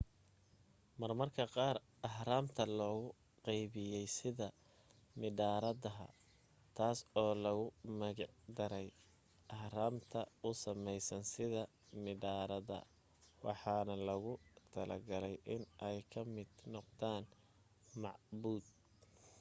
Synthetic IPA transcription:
mɐrmɐrkʰɐqɑːr | ɑħɾaːmt̪ʰɐlɔːɣʊ | qɑjβɪjɛjsɪðɐ | mɪd̪aːɾɐðɐɦɐ̰ | t̪ʰaːsɔːlɐɣʊmɐɣɑʕd̪ɐɾɛj | ʔɑhɾaːmt̪ʰɐʊsɐmɛjsɐnsɪðɐ | mɪd̪aːɾɐðɐ̰ | wɑ̰ħɑːnɐlɐɣʊt̪ʰɐlɐ̰ɡɐlɛjʔɪnʔɛjkʰɐmɪd̪̥nɔqd̪aːn | mɑʕbuːd̪̚

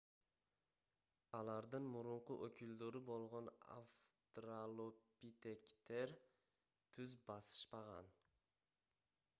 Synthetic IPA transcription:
ɑlˠɑɾd̪ɨnmʊɾʊɴqʊʔokʲʰyld̪øɾɪbolˠʁona̰fst̪ɾalˠopit̪ekʲt̪eɾ | t̪ʰʉzbɑsɨ̥ʃpɑʁɑ̰n

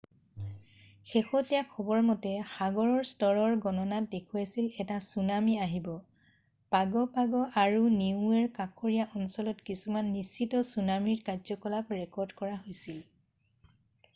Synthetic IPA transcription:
xexɔtɛjakʰːɔbɔɹmɔtɛxaɡɔɹɔɹstɔɹɔɹɡɔnɔnat̚dekʰujasilɛtasunamiaɦibɔ | paɡɔpaɡɔʔaɹuniũɛɹkakoɹijaʔɔnsɔlɔtkisumanːist͡ʃitɔsunamiɹkazɔkɔlapɹɛkɔɹdkɔɹaɦojsil

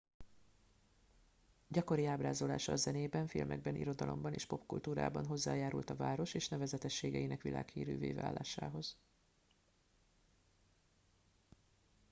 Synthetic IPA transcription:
ɟɒko̞ɾiaːbraːzo̞la̰ːʃɒːzɛneːbɛɱfilmɛ̰ɡ̚bɛnʔḭɾo̞d̪ɒlʔo̞̰mbɒnḛːʃpo̞pkult̪uːɾa̰ːbɒnɦo̞zːaːjaːɾult̪ɒvaːɾo̞ʃeːʃnɛvɛzɛt̪ɛʃːeːɡɛinɛkʋilʔa̰ːkhiːɾy̰ːvḛːva̰ːlːaːʃaːɦo̞z̥

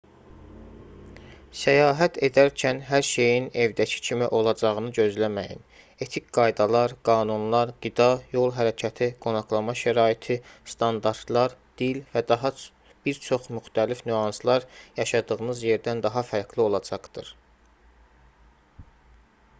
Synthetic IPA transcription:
sæjɑːɦæt̪ʰe̞d̪æɾcʰænɦæɾʃe̞jine̞vd̪æcʰi̥cʰimiʔo̞lˠɑd͡ʒɑʁɯnɯɟø̞zlæmæjḭn | e̞t̪ʰicɡ̥ɑjd̪ɑlˠɑɾɡ̥ɑːnunlˠɑɾɡ̥id̪ɑjo̞lˠɦæɾæcʰæt̪ʰiɡ̥o̞nɑχlˠɑmɑʃæɾɑːit̪ʰist̪ʰɑnd̪ɑɾt̪lˠɑɾd̪̥ilvæd̪ɑɦɑ | b̥iɾt͡ʃʰo̞χmyxt̪ʰælifnyɑnslˠɑɾjɑʃɑd̪ɯɣɯnɯzje̞ɾd̪ænd̪ɑɦɑfæɾɡlio̞lˠɑd͡ʒɑqd̪̥ɯɾ

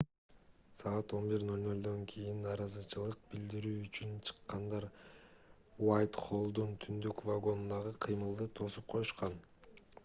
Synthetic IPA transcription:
sɑɑt̪o̞nbiɾnø̞lʲnø̞lʲd̪o̞ŋkʰijinnːɑːɾɑzɯt͡ʃʰɯlˠɯq̚bild̪iɾyːt͡ʃynt͡ʃʰɯ̥qːɑnd̪ɑɾ | wajt̪χo̞lˠd̪unt̪ʰynd̪ykvaɡo̞nd̪ɑʁɯqʰɨjmɯlˠd̪ɯt̪ʰo̞sup̚qʰo̞juʃqɑn

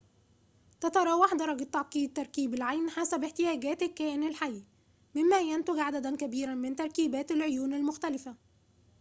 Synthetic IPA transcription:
t̪æt̪ɑɾˤɑːwɑħd̪ɑɾˤɑɡɪt̪ːɑʕqiːd̪̚t̪ːɑɾˤkiːbɪlʕajnħasæbɪħt̪ɪjæːɡæːt̪ɪkːæːʔɪnalħajː | mɪmːæjænt̪ɪɡʕad̪æd̪ænkæbiːɾænmɪnt̪ɑɾˤkiːbæːt̪alʕojuːnalmʊxt̪ælɪfæ

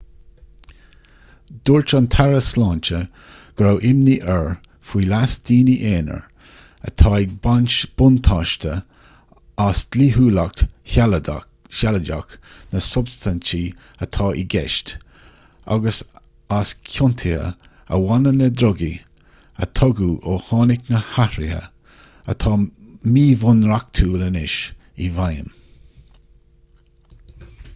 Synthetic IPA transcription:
d̪̥uːɹt͡ʃant̪ʰaɹəslɑːnt͡ʃə | ɡ̥ɾowʔɪmniʔɛɹ | fwiːlasd̪̥iːniʔeːnə̰ɹ | ə̰t̪ʰɑːibanʲt͡ʃb̥ʊnt̪ʰɑːʃtə | asd̪̥liːɦuːlak̚tal | çaləda̰k | nəsʊbst̪ant͡ʃi | ət̪ʰɑːʔiɡɛ̰ʃt | a̰ɡəs | askʰjʊnt̪ʰiə̰ | ə̰wanənəd̪ɾɔɡi | ə̰t̪ʰɔɡuːʔohɑːnɪknəhahɾihə̰ | ə̰t̪ʰɑːmiːvʊnɾak̚t̪ʰuːlənɪʃ | ivajə̰m

